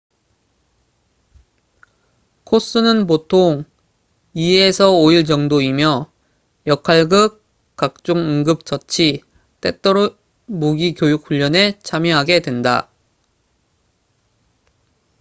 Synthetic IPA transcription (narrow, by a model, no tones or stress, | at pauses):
kʰos͈ɯnɯnp̬otʰoŋ | iesʰʌoiɭd͡ʑʌŋdoimjʌ | jʌkʰaɭɡɯk | k͈ːak̚t͡ɕ͈oŋɯŋɡɯp̚t͡ɕ͈ʌt͡ɕʰi | t͈e̞t͈ʌɾ | muɡikjojuk̚ʰɸuʎːʌne̞t͡ɕʰamjʌɦaɡe̞dwe̞nda̰